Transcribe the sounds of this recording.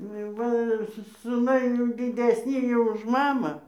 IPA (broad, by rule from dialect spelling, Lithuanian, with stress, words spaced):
ˈnʊ jɛʊ ˈʋɐ ˈsʊ sʊˈnɐɪ jɛʊ dʲɪdʲɛsʲˈnʲiː jɛʊ ʊʃ ˈmɑːmɑː